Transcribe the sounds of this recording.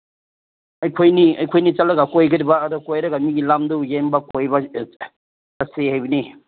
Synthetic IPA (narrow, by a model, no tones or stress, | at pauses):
ɐjkʰojniɐjkʰojnit͡ʃalɐɡakojɡɐɾibaːdɔkojɾɐɡamiɡilamdujembɐkojba | sasehajbɐni